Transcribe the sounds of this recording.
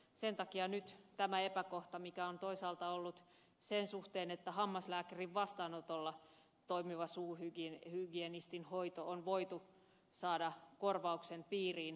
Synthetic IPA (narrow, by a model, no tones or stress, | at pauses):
sent̪ɑkiɑnyt̪t̪æmæepækoht̪ɑmikæont̪oisɑːlt̪ɑolːut̪ | sensuht̪eːnet̪ːæhɑmːɑslæːkæriʋʋɑst̪ɑːnot̪olːɑ | t̪oimiʋɑsuːrhyɡihyɡienist̪inhoit̪oʔonʋoit̪u | sɑːdɑkorʋɑuksenpiːriːn